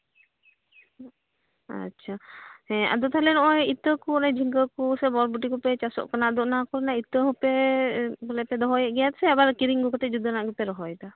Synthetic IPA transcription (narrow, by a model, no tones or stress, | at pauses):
a̰tːt͡ʃʰahɛ̃a̰d̪ɔt̪ʰalɛnɔʔɔjit̪əkuɔnad͡ʒʱiŋɡəkusɛbɔɾbuʈikupɛt͡ʃasɔ̰ʔkanaʔd̪ɔʔnakɔɾnait̪əɦupɛbɔlɛpɛd̪ɔɦɔjɛʔɡɛjat̪sɛabaɾkiɾiŋɡukɔt̪ɛd͡ʒud̪ɔnaʔɡupɛɾɔɦɔjt̪a